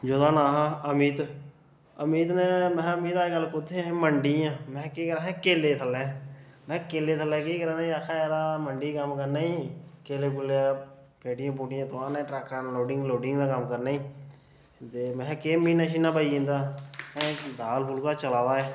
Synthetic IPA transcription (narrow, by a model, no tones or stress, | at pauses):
d͡ʒoːd̪aːnaːɦãəmiːt̪ | əmiːt̪nẽːmɛ̃ːəmiːt̪aːɡəlːkʊt̪ʰːeməɳɖiːãːmɛ̃ːkiːkəɾãːɛ̃ːkeːleːt̪ʰəlːɛ̃ː | mɛ̃ːkeːleːt̪ʰəlːɛːkiːkəɾãːaakʰːaːɾaːməɳɖiːkəmkəɾnaːĩːkeːleːk̬ʊleaː | peːʈɪjãːp̬uːʈɪjãːt̪oaːnɛ̃ːʈɾɛːkːaːnloːɖɪŋɡloːɖɪŋɡd̪aːkəmkəɾnaːiː | t̪eːmɛ̃ːkeːmĩːnaːʃiːnãːpaiːĩːnd̪aːmɛ̃ːd̪aːlpʰʊlkaːt͡ʃəlaːd̪aːɛː